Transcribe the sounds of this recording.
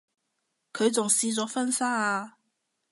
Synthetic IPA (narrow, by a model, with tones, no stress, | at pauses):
kʰɵ˨˧ɥt͡sʊ˨ŋsiː˧t͡sɔː˨˥fɐ˥nsaː˥aː˧